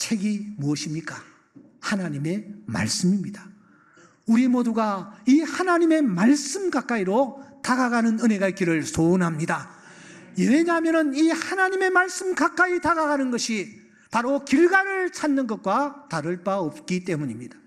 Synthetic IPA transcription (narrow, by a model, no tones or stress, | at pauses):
t͡ɕʰe̞ɡimuʌɕʰimɲik͈a | hanaɲime̞ma̰ɭs͈ɯmimɲidḁ | uɾimoduɡaihanaɲime̞maɭs͈ɯmkak͈aiɾotaɡaɡanɯnɯne̞ɡaik͈iɾɯɭsʰonɦamɲida | jeeɲaɦamjʌnɯnihanaɲime̞maɭs͈ɯmkak͈aitaɡaɣanɯnɡʌɕʰi | paɾokiɭɡaɾɯɭt͡ɕʰanːɯnɡʌt̚k͈wataɾɯɭp͈aʌp̚k͈it͈e̞muɲimɲid̥ḁ